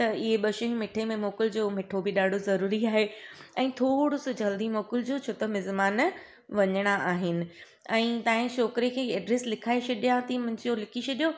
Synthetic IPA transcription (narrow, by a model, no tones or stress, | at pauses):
t̪ɐɪɦeɓɐʃɪ̃ŋmɪʈʰemẽmoːkɪld͡ʑoːmɪʈʰobɪɗaːɖʱozɐɾuːɾiaːɦeɛ̃ːt̪ʰoːɽʊsʊd͡ʑɐld̪imoːkɪld͡ʑoːt͡ɕʰot̪ɐmɪzmaːn | ʋɐɲəɽ̃aʔaːɦɪnɪ̆ | ɛ̃ːt̪ãːɦɪ̃ʃoːkɾekʰeːɛːɖɾeːslɪkʰaːet͡ɕʰɐɗijãt̪ʰimɐ̃ɲd͡ʑjolɪkʰit͡ɕʰɐɗijo